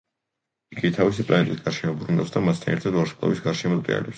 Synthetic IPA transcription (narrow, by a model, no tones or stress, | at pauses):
iɡit̪ʰavisipʼlˠa̰nɛt̪ʼisɡ̥aɾʃɛmɔbɾunafsd̪amast̪ʰanɛ̰ɾt̪ʰad̪vaɾʃɛpʼlˠɔ̰bisɡaɾʃɛmɔt̪ʼɾʼḭa̰lɛps